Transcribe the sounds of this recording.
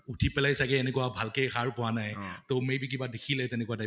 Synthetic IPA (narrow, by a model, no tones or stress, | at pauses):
utʰipɛlajsakɛːnɛkuwabʱalkejxaɹpɔwanajtomebik̬ibadekʰilɛtɛnɛkuwada